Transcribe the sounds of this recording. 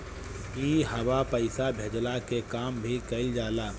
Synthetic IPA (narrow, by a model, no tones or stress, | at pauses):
iːɦəbapəɪsabʱeːd͡ʒlakekaːmbʱikəɪld͡ʒaːlaː